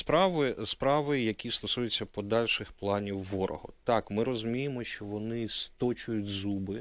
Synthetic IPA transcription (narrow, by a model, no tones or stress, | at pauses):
spɾɑʋɪspɾɑʋɪjjɐkʲist̪ɔsujet͡sʲːɐpɔd̪ɑlʲʃɪxplˠɑnʲiwːɔɾʔɔ̰ɦɔ̰t̪ɑkmɪɾɔzʊmʲijɪmɔʃt͡ʃɔʋɔnɪst̪ɔt͡ʃʊjʊtʲzubɪ